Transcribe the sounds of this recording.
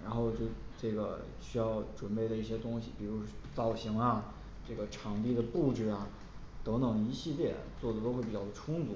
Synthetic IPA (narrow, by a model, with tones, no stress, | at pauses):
ɻa̰˧˥nxo˥˧ʊt͡ɕjo˥˧ʊʈ͡ʂɤ˥˩ɡə̰˩ | ɕy˥jɑ˥˩ʊʈ͡ʂwə˨˩npe˥˩ɪd̪ə˩i˥˩ɕɛ˥t̪ʊ˥ŋɕḭ˨˩pi˨˩ɻu˧˥ʂɔ˥t͡sɑ˥˩ʊɕi˧˥ŋɐ˧ | ʈ͡ʂɤ˥˩ɡə˩ʈ͡ʂʰɑ˧˥ŋt̪i˥˩d̪ə˩pu˥˧ʈ͡ʂɻ̩˥˩ɐ˩ | t̪ɤ˧˥ŋnɤ˧˥ŋi˧˥ɕi˥˧ljɛ˥˩t͡swɔ˥˩d̪ə˩t̪o˥ʊxe˥ɪpi˨˩t͡ɕɑ˥˩ʊə˩˧ʈ͡ʂʰʊ˥ŋt͡su˧˥